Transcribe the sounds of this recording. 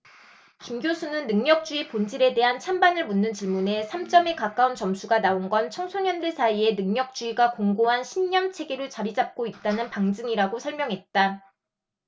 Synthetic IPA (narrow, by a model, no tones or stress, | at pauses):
kimɡjosʰunɯnːɯŋɲʌk̚t͡ɕ͈uipond͡ʑiɾe̞de̞ɦant͡ɕʰambanɯɭmunːɯnt͡ɕiɭmune̞sʰamt͡ɕ͈ʌme̞kak͈aunt͡ɕʌmsʰuɡanaonɡʌnt͡ɕʰʌŋsʰoɲʌndeɭsʰaie̞nɯŋɲʌk̚t͡ɕ͈uiɡakoŋɡoɦanɕʰinɲːʌmt͡ɕʰe̞ɡeɾɯɭt͡ɕaɾid͡ʑap̚k͈oit̚t͈anɯnpaŋd͡ʑɯŋiɾaɡosʰʌɭmjʌŋɦe̞t̚t͈a